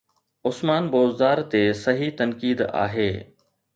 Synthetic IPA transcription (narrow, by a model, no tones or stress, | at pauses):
ʊsmaːnboːzd̪aːɾt̪esɐɦit̪ɐnkiːd̪a̰ːɦeː